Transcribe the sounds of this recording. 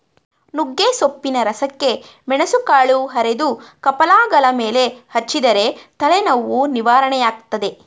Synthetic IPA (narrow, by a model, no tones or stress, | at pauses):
nuɡːeːsopːinɐɾɐsɐkːe̞ | mɛɳɐsukaːɭuɦɐɾed̪ukɐpɐlaːɡɐlɐme̞ːle̞hɐt͡ʃːid̪ɐɾe̞t̪ɐɭenɐʋːuniʋaːɾɐɳɛjaːɡ̚t̪ɐd̪e̞